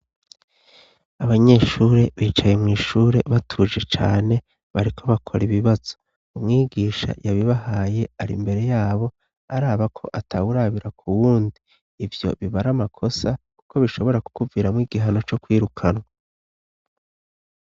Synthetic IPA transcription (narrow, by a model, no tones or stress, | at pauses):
aβaɲe̞ːʃuːɾe̞βiːt͡ʃaje̞mŋiːʃuːɾe̞βatʰuːʒe̞t͡ʃa̰ːne̞ | βaɾikʰo̞βakʰo̞ɾiβiβaz̥o̞ | umŋiːɡiːʃa̰jaβiβahaːje̞aɾḭmbe̞ɾe̞jaːβo̞ | aɾaːβakʰo̞̰ʔatʰawuɾaβiɾakʰuβuːndiː | vjo̞̰βiβaɾamakʰo̞sa | ku̥kʰo̞βiʃo̞βo̞ɾaku̥kuviːɾamŋiːɡ̥iɦano̞t͡ʃo̞kwiːɾukʰanwa